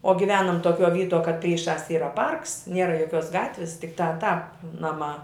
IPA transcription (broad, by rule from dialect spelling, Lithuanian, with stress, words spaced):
oː ɡʲɪˈʋʲæːnɐm toːˈkʲuɔ ˈʋʲiːtuɔ kɐt ˈpʲrʲiːˌʃɑːs ˈiːrɐ ˈpɐrks ˈnʲiɛrɐ joːˈkʲuɔs ˈɡɑːtʲʋʲɪs tʲɪkˈtɑː ˈtɑːp ˈnɑːˌmɑː